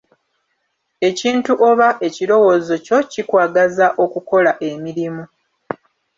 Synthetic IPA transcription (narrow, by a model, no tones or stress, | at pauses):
e̞ciːntuʔo̞βaʔe̞ciɾo̞wo̞zo̞co̞cikwaːɡazaʔo̞kuko̞laʔe̞miɾimu